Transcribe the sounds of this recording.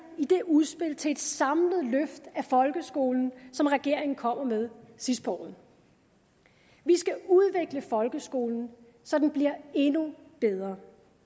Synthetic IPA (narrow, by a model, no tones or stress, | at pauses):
id̥e̝ʔuðˠsb̥e̝l̰t͡sʰe̝e̝d̥sɑ̈mləðˠløfd̥æfɒ̽lɡ̥əsɡ̥o̝ːln̩sɒ̽mʁɛɡ̥e̝ɐ̰e̝ŋn̩kʰɒ̽m̰ɐmeð̞ˠsisd̥̚b̥ɒ̰ːn̩ | ʋisɡ̥æuð̞ˠʋe̝ɡ̥ləfɒ̽lɡ̥əsɡ̥o̝̰ːln̩ | sɒ̽d̥enb̥liɐe̝nub̥eð̞ˠʁɐː